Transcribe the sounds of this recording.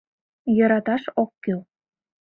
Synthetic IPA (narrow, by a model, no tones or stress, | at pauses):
jɤ̆ɾɑt̪ɑʃokːyl